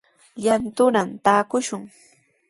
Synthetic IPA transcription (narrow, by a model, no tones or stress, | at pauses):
ʎant̪ʊnamt̪aːkʊʃʊŋ